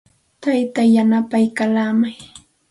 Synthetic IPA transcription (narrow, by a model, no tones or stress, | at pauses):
t̪ajt̪ajanapajkalamaj